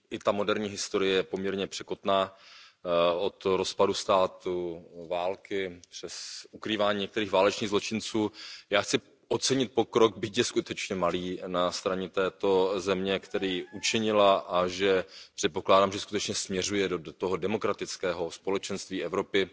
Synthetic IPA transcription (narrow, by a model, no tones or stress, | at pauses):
ʔɪt̪amo̞dɛɾɲiːɦɪst̪o̞ɾɪjɛjɛpo̞mɲɛɾɲɛpr̝̥ɛko̞t̪naː | ʔo̞t̪ɾo̞spadust̪aːt̪uvaːlkɪpr̥ɛsʔukɾiːvaːɲiːɲɛk̚t̪ɛɾiːxvaːlɛt͡ʃniːɣzlot͡ʃɪnt͡suːjaːxt͡sɪ | ʔot͡sɛɲɪt̪̚po̞kɾo̞ɡ̚bɪcjɛskut̪ɛt͡ʃɲɛmaliːnast̪ɾaɲɛt̪ɛːt̪o̞zɛmɲɛkt̪ɛɾiːʔut͡ʃɪɲɪlaʔaʒɛpr̥ɛt̪̚po̞klaːdaːmʒɛskut̪ɛt͡ʃɲɛsmɲɛrujɛdot̪oɦo̞dɛmo̞kɾat̪ɪt͡skɛːɦo̞spo̞lɛt͡ʃɛnst̪viːɛvɾo̞pɪ